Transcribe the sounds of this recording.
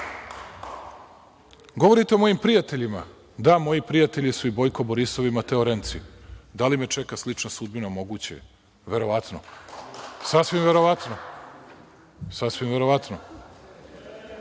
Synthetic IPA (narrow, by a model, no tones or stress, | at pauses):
ɡo̞ʋo̞ɾit̪eo̞mo̞jimpɾijat̪e̞ʎima | d̪amo̞jipɾijat̪eʎisuibo̞jkoboɾiso̞ʋimat̪eoɾent̪sid̪alimet͡ʃe̞kaslit͡ʃnasud̪̚binamo̞ɡut͡ɕḛ | ʋe̞ɾo̞ʋat̪no̰ | sasʋimve̞ɾo̞ʋat̪no | sasʋimve̞ɾo̞ʋat̪no